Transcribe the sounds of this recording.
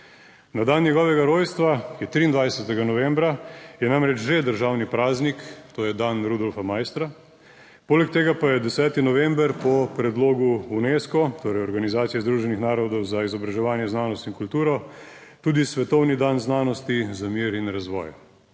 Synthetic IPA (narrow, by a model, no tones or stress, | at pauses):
nad̪annjɛɡɔːʋɛɡaɾoːjst̪ʋajɛt̪ɾiːnd̪ʋajɛsɛt̪ɛɡanɔʋɛmbɾajɛnamɾɛt͡ʃʒed̪əɾʒaːwnipɾaːznikt̪oːjɛd̪anɾud̪ɔlfamaːjst̪ɾa | poːlɛk̚t̪eːɡapajɛd̪ɛsɛːt̪inɔʋɛmbəɾpɔpɾɛd̪loːɡuuneːskɔt̪oːɾɛjɔɾɡanizaːt̪sijɛzd̪ɾuːʒɛnixnaːɾɔd̪ɔwzaizɔbɾaʒɛʋaːnjɛznaːnɔst̪inkult̪uːɾɔ | t̪uːd̪isʋɛt̪ɔwnid̪anznaːnɔst̪izamiːɾinɾazʋɔ̰ːj